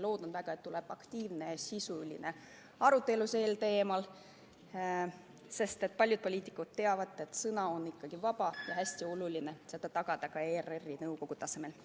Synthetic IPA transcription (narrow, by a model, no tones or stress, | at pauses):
lo̞ːd̪̥onvæɡ̥ɑet̪t̪ːule̞b̥ɑkt̪iːvne̞sisulḭne̞ | ɑɾut̪ːˑe̞luseːlt̪e̞ːmɑl | se̞st̪e̞t̪̚pɑlʲjud̪̚po̞lʲiːt̪ːˑikːud̪̥̚t̪ːe̞ɑvɑd̪ˑe̞t̪sɤnɑonːikːɑɡ̥ivɑb̥ɑjɑɦæsʲt̪io̞luline̞se̞d̪ɑt̪ɑɡ̥ɑd̪̥ɑkɑeːrerːinɤwko̞ɡ̥ut̪ɑse̞me̞l